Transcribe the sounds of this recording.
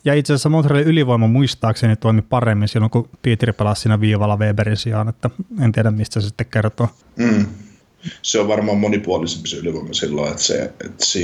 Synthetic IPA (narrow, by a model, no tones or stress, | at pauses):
jɑit̪sesæsːæmont̪reliyliʋoimɑmuist̪ɑːksenit̪oimipɑremːinsilːoŋkupiːt̪ripelɑssiːnæʋiːʋɑlːɑʋeːberinsiɑːnet̪ːæent̪iæɾæmmist̪æsesi̥t̪ːekkert̪oː | seoʋʋɑrmɑːmːonipuɑlisempiseyliʋoimɑsilːo̰et̪sḛḛt̪si